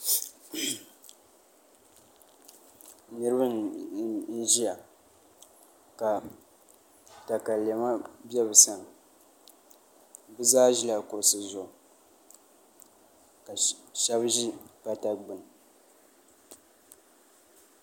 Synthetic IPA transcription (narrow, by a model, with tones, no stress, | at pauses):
nɨ˦ɾɨ˦bɨ˦n | n̩˦ʒi˦ja˨ | ka˨ | ta˨ka˨le˨ma˦bɛ˦bɨ˨sa˨n | bɨ˦zaː˦ʒi˦la˨ko˨sɨ˨zʊ˨ʔ | ka˨ʃɛ˦bʒi˦ka˨ta˦ɡ͡bɨ˨n˨